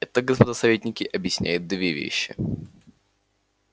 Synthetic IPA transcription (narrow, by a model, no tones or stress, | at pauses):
ɛt̪əɡəspɐd̪asɐvʲetʲnʲɪkʲɪʔɐbjɪsʲnʲæ̰jʊt̪̚d̪vʲevʲḛɕːɪ̰